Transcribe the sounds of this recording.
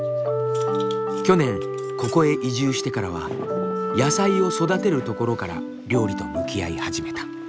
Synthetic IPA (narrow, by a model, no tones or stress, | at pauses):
kʲo̞nẽ̞ŋ | ko̞ko̞e̞ʔiʑɨːɕi̥t̪e̞kaɾaβ̞a̰ | jasaio̞so̞d̪at̪e̞ɾɯ̟t̪o̞ko̞ɾo̞kaɾa̰ | ɾʲo̞ːɾʲit̪o̞̰mɯ̟kʲia̰ihaʑime̞t̪ḁ